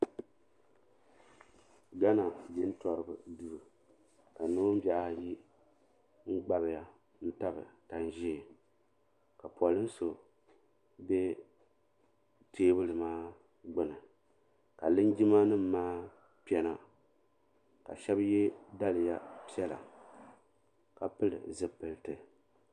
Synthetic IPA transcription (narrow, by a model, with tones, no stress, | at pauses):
ɡa˦na˨d͡ʒɪ˦n˦tɔ˨ɾɨ˨bɨ˨du˨ɾɨ˨ | ka˨no˦m˦ba˦ʔa˦˨ji˦ | ŋ͡m̩˦ɡ͡ba˦bɨ˨ja˨ | n̩˦ta˦bɨ̰˨ta˨n˨ʒi˦˨ | ka˨pɔ˨lɨ˦n˦so˨ | bɛ˦ | tʰeː˦bɨ˦lɨ˨maː˦ | ɡ͡bɨ˦nɨ˨ | ka˨lɨ˦nd͡ʒi˦ma˦nɨ˦m̩ː˨aː˦ | pi˦ɛ˨˦na˨ | ka̰˨ʃɛ˦bjɛ˦da˦lɨ˨ja˦pi˦ɛ˦la̰˨ | ka˨pɨ˦lɨ̰˨zɨ˨pɨ˨ltɨ˨